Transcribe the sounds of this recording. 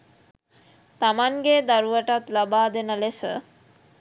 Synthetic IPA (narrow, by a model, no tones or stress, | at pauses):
t̪amaŋɡed̪aɾuʋəʈat̪labaːd̪enəlesə̰